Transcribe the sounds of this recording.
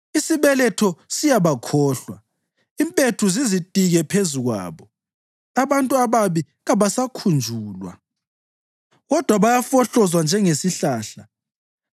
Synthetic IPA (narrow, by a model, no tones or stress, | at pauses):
isiβɛlɛtʰɔsijaβakʰɔːɬwa̰ | impʼetʰuzizitʼiɣɛpʰezuɣwa̰ːβɔ | aβantʼuaβaβi | ɣaβasakʰund͡ʒʱuːlwa̰ | ɣɔd̥ʱwaβajafɔɬɔzwand͡ʒʱɛŋesiɬaːɬa